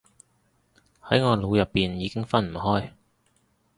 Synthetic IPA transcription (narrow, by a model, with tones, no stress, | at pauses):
hɐ˨˥jŋɔː˨˧lo˨˧wjɐ˨pːiː˨njiː˨˧kɪ˥ŋfɐ˥nm̩˨˩ɦɔː˥j